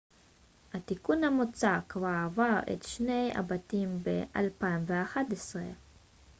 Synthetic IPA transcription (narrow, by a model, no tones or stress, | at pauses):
hat̪ikunhamot͡sakvavaḛt̪ʃne̞ja̰batimbeʔa̰lpaimveaχat̪esʁe